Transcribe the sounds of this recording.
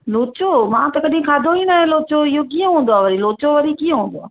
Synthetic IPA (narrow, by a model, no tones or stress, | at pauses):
loːt͡ʃomãːt̪ɐkɐɗɦĩkʰaːd̪ʱoinaːɦẽloːt͡ʃoɪɦokiːə̃ɦũːn̆d̪oaːʋɐɾiloːt͡ʃoʋɐɾikiːə̃ɦũːn̆d̪oaː